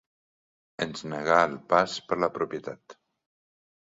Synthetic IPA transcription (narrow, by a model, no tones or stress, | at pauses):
ənznəɣaəlˠpaspəɾləpɾupjət̪at̪